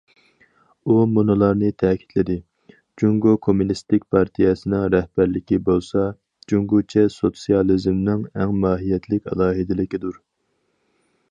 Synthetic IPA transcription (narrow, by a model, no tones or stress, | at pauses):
umonolˠɑɾnɨt̪ʰɛːkʲʰi̥t̪lɪd̪ɪ | d͡ʒuŋɡokʰomunist̪ɪk̚ʲpʰɑɾt̪ʰijɛsɨnɪŋɾɛhb̥æɾlɪkʲibolˠsɑ | d͡ʒuŋɡut͡ʃʰɛsot̪sijɑlˠizmnɪŋɛŋmɑːɦijɛt̪ʰlɪkʲɛ̰lˠɑːɦɨd̪ɪlɪkʲid̪uɾ